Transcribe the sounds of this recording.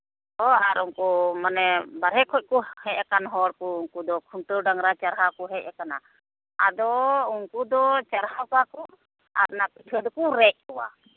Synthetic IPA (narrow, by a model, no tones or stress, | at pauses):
hɔaɾuŋkumanɛbaɾɦɛkʰɔc̚kɔhɛcɛkanɦɔɽkɔuŋkud̪ɔkʰuɳʈəɖaŋɾat͡ʃaɾɦakɔɦɛc̚ɛkana̰ | ad̪ɔuŋkud̪ɔt͡ʃaɾɦawkakɔ | aɾnapit̪ʰəd̪ɔkuɾɛʔ̚ˀɔwa̰